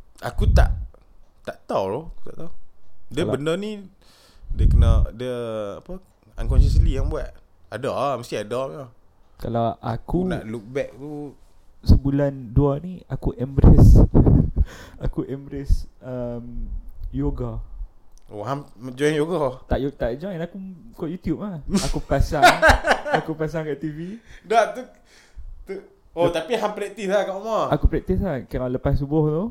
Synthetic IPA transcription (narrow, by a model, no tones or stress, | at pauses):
akut̪a̰ʔ | t̪aʔt̪awlɔt̪a̰ʔt̪awdəbənənĩ | dəkənaʔdəapə | ankɔnʃəslijaŋbuat̪ | adɔʔaməst̪iadɔʔɔ | kalawa̰kunaʔluk̚bɛk̚t̪u | səbulanduaniakuʔɛmbɾɛs | a̰kuʔɛmbɾɛsəmjoɡa | o̰hamməd͡ʒɔjnjoɡat̪aʔjot̪aʔd͡ʒɔjnakukɔʔjut̪jup̚lahakupasaŋakupas̬aŋkaʔt̪ividaʔt̪u | t̪u | ot̪apiɦamplɛk̚t̪islakaʔmaakupɾɛk̚t̪is̬lakalaləpassubʊht̪o